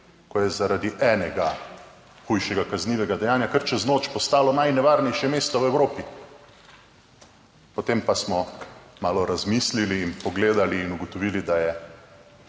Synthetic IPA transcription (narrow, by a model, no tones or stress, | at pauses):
kɔjɛzaɾad̪iʔɛːnɛɡa | xujʃɛɡakazniːʋɛɡad̪ɛjaːnjakəɾt͡ʃɛznoːt͡ʃpɔst̪aːlɔnajnɛʋaːɾnɛjʃjɛmeːst̪ɔwɛwɾoːpi | pɔt̪empasmɔmaːlɔɾazmiːsliliːnpɔɡleːd̪aliːnuɡɔt̪ɔʋiːlid̪ajɛ